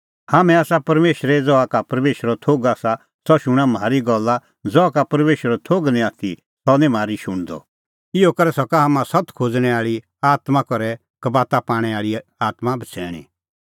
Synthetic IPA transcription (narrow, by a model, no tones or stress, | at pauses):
haːmɛ̃aːsapɐɾmeːʃɾɛd͡zɔakapɐɾmeːʃɾɔt̪ʰoːɡaːsa | sɔʃʊɽ̃ãmaːɾiɡɔlːa | d͡zɔakapɐɾmeːʃəɾɔt̪ʰoːɡnĩaːt̪ʰi | sɔnɛ̃maːɾiʃʊɽ̃d̪ɔ̰ | ɪokɐɾɛsɔkaɦamãsɐt̪ʰkʰod͡zɽ̃ɛ̃aːɭi | aːt̪mãkɔɾɛ | kɐbaːt̪apaːɽ̃ɛaːɭiaːt̪mabʱɐt͡sʰɛ̰ːɽ̃ḭ̃